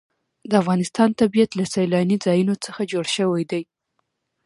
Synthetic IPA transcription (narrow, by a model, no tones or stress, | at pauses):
d̪əafɣɑnɪst̪ɑnt̪abijat̪lasajlɑnizɑjunot͡səxad͡ʒoɽʃəwajd̪aj